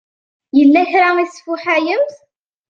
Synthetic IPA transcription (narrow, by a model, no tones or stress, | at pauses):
jəlːæçɾaisfʊħæjəmθ